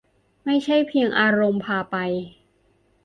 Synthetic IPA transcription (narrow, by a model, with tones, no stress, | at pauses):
ma˥˩jt͡ɕʰa˥˩jpʰi˧əŋʔaː˧ɾo˧mpʰaː˧pa˧j